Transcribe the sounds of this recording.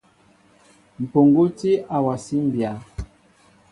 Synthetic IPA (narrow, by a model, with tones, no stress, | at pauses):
m̩˨po˨ŋɡo˦ti˦ʔa˨wa˨si˦m˨bja˨˦